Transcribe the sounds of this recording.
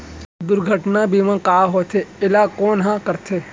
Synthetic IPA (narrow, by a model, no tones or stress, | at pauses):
d̪ʊɾɡʱəʈnabʱiʋãːkaːɦoːt̪ʰeɪlaːkoːnɦãːkəɾt̪ʰeː